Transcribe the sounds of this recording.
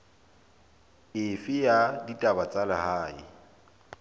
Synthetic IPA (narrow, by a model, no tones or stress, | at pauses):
ɪfɪjaditʼabat͡sʼalɪhaːɪ̰